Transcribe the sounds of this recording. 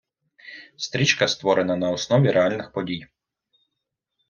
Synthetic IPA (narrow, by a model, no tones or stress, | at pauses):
st̪ɾʲit͡ʃkɐst̪ʋɔɾenɐnɐɔsnɔʋʲiɾʔealʲnɪxpɔdʲij